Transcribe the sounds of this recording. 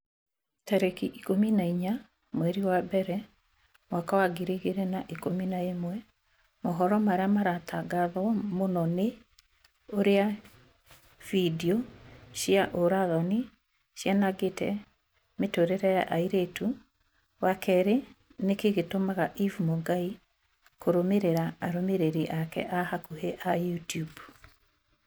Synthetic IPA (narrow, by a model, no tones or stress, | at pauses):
taɾekiʔikominaiɲa | mwɛɾiwabɛɾɛ | mwakawaɡiɾeɣeɾɛnaʔikominaemwɛ | mɔɦɔɾɔmaɾeamaɾatʰaɡaðɔmonɔne | oɾea | v̥idiɔʃjaʔoɾaðɔni | ʃjanaɡetʰɛ̰ | metoɾeɾɛja̰ʔaiɾetu | wakʰɛɾe | nekeɣetomaɣaʔivumoŋɡai | koɾomeɾeɾaːɾomeɾeɾiʔakɛ̰ʔahakuheʔajutjub